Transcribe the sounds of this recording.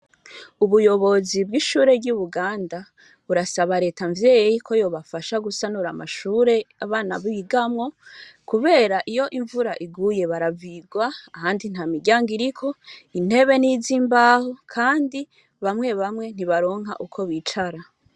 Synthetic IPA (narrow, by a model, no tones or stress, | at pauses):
uβujo̞βo̞zibɡiːʃuːɾe̞bɟuβuɡaːnda | βuɾasaβaɾe̞ːtaɱvjeːjejikʰo̞jo̞ːβafaʃaɡusanuɾama̰ʃuːɾe̞aβaːnaβiɡamŋo̞kuβe̞ːɾaʔijo̞ʔiɱvuɾaʔiɡuje̞βaɾaviɡwaːhaːndin̥hamiɟaːŋɡiɾikʰo̞in̥he̞βe̞niziːmbaːhokʰaːndi | βamŋe̞βamŋe̞n̥iβaɾo̞ːŋɦa̰ʔukʰo̞βit͡ʃaɾa